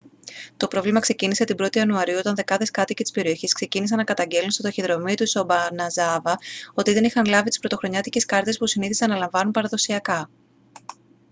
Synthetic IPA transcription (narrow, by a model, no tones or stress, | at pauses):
t̪o̞pɾo̞vlimɐkse̞cinise̞t̪ibɾo̞t̪iɐnuɐɾiuo̞t̪ɐnðe̞kɐðe̞skɐt̪icet̪i̥spe̞ɾio̞çiskse̞cinisɐnɐkɐt̪ɐɲɟe̞lunstod̪oçiðɾo̞mit̪usobɐnɐzɐvɐo̞t̪iðe̞nixɐnlɐvit̪i̥spɾot̪o̞xɾo̞ɲɐt̪ice̞skɐɾt̪e̞spusiniθisɐnːɐlɐɱvɐnunpɐɾɐðo̞siɐkɐ